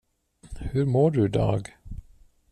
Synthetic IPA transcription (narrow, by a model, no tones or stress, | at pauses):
hʉɾmoːɖɵɪd̪ɑ̰ːɡ